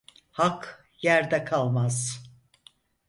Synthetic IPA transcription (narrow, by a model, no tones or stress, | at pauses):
hak | jæɾd̪ɛkʰalˠmaz̥